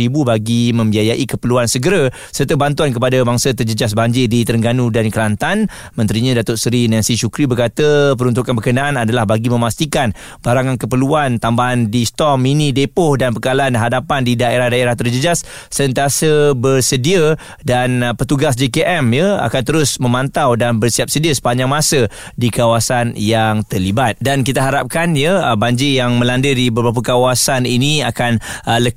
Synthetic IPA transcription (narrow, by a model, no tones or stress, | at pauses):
ibubaɡimə̃mbiajaʔikəpəluansəɡəɾa | sərt̪əbant̪uank̬əpadabaŋsat̪̬ərd͡ʒəd͡ʒas̬baɲd͡ʒɪdit̪əɾəŋɡanudankəlant̪an | mə̃nt̪ɾiɲãdat̪ʊʔsɾinɛ̃nsiʃukɾibərkat̪əpəɾunt̪̬ukanbərkənaʔanadalahbaɡimə̃mast̪ikan | b̥aɾaŋankəpəluant̪ambaɦandist̪ɔminidepʊhdanpəkalanɦadapandidaʔeɾahdaeɾaht̪ərd͡ʒəd͡ʒasː | əənt̪iasəbərsədiə | danpət̪uɡas̬d͡ʒekeʔɛmjəa̰kant̪əɾʊsmə̃mãnt̪awdanbərsiap̚sədiəsə̥paɲd͡ʒaŋmasə | dikawasanjaŋt̪ərlibat̪̚dankit̪aɦaɾap̚kanjəbaɲd͡ʒijaŋmə̃landədibəbɾap̬akawasaniniakanlə